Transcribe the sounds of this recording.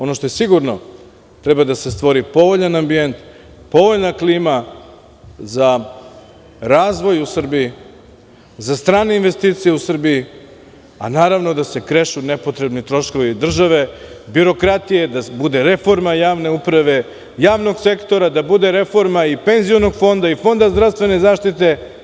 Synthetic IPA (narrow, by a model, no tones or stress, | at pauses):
o̞no̞ʃt̪o̞jesiɡuɾno̞̰ | t̪ɾɛbad̪asest̪ʋo̞ɾipo̞ʋo̞ʎanambient̪ | po̞ʋoʎnakliːma | za | ɾaːzʋo̞jusr̩biji | zast̪ɾaːne̞inʋe̞st̪iːt̪sijeusr̩biji | a̰naːɾaʋno̞d̪ase̞kɾeʃunepo̞t̪ɾe̞bnit̪ɾo̞ʃko̞ʋid̪r̩ʒaʋe̞biɾo̞kɾat̪ije̞d̪abud̪e̞ɾe̞fo̞ɾmajaːʋne̞upɾaʋe̞ | jaːʋno̞ɡse̞kt̪o̞ɾad̪abud̪e̞ɾe̞fo̞ɾmaipe̞nzijo̞noɡfo̞nd̪aifo̞nd̪azd̪ɾavst̪ʋe̞nezaːʃt̪it̪e̞